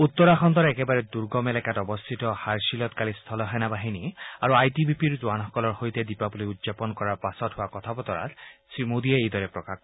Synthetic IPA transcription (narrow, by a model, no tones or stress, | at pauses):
ut̪ːɔɹaxɔnt̪ɔɹaɛkɛbaɹɛduɹɡɔmɛlɛkatɔbɔst̪ʰitɔhaɹsilɔtkalist̪ʰɔlɔɦanabaɦiniaɹuajtibipiɹzuwanɦɔkɔlɔɹxojtɛdipabuliudzapɔnkɔɹaɹpasɔthʊakɔt̪ʰabɔt̪ɔɹa̰tsɹimodiɛejdɔɹɛpɹɔkak